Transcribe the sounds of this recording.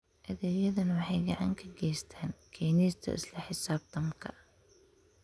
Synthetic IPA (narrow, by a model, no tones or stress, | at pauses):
ʔɐðɛːjɐðɐnwɑħɑjɡɑʕɑ̰ŋkʰɐɡɛjst̪ʰaːnkʰɛːniːst̪ʰɐ̰ɪ̰slɐħɪsaːb̚t̪ʰɐmkʰɐ̰